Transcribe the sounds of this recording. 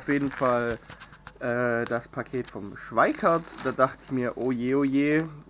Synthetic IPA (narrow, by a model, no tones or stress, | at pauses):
ʊfjeːdn̩fal | ʔɛːd̥aspʰakʰeːtfɔmʃv̥aɪkʰɐtd̥aːdaχtəɪçmiːɐʔojeːoːjeː